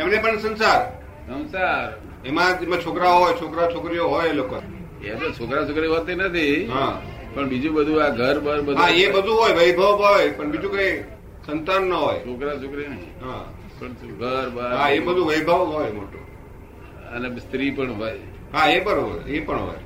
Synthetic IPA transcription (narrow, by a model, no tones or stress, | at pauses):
emnepəɳsə̃nsaɾ | sə̃nsaɾ | emãemãt͡ʃʰokɾaoɦojt͡ʃʰokɾat͡ʃʰokɾijoɦojelokon | eət̪ot͡ʃʰokɾat͡ʃʰokɾiɦot̪enət̪ʰiɦa | pəɳbid͡ʒũbəd̪ʱuaɡʱəɾbəɾbəd̪ɦaebəd̪ʱuɦojʋəjbʱəʋɦojpəɳbid͡ʒũkəi | sənt̪anːəɦojt͡ʃʰokɾat͡ʃʰokɾinəɦḭ̃ɦã | pəɳɡʱəɾbəɾɦaebəd̪ʱuʋəjbʱəʋɦojmo̰ʈo̰ | ə̰nest̪ɾipəɳɦoj | ɦaebəɾɦə̰epəɳɦo̰j